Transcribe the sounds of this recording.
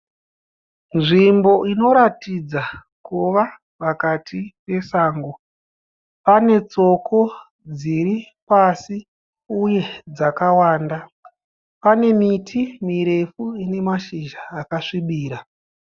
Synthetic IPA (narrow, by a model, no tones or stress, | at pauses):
nʐimbo̞ʔino̞ɾatid͡za | kuʋa | pakatʰipe̞saːŋɡo | pane̞t͡so̞kʰo̞ | d͡ziri | pasi | uje̞d͡zakawaːnda | pane̞mitʰimiɾe̞fuine̞maʃiʒaːkaʂiɓiːɾa